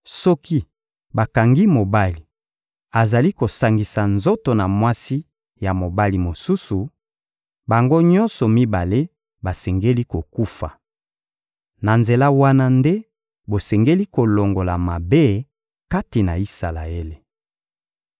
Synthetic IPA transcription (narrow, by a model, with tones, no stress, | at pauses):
sɔ˦ki˦ | ba˨ka˨ŋɡi˦mo˨ba˦li˨ | a˨za˨li˦ko˨sa˨ŋɡi˨sa˨nzo˦to˨na˨mwa˦si˦ | ja˨mo˨ba˦li˨mo˨su˦su˨ | ba˨ŋɡo˦ɲɔ˦nsɔ˨mi˦ba˨le˦ | ba˨sɛ˨ŋɡe˦li˦ko˨ku˦fa̰˨ | na˨nze˨la˦wa˦na˦nde˦ | bo˨sɛ˨ŋɡe˦li˦ko˨lo˨ŋɡo˨la˨ma˨be˦ | ka˦ti˨na˨i˦sa˨la̰˨e˦le˨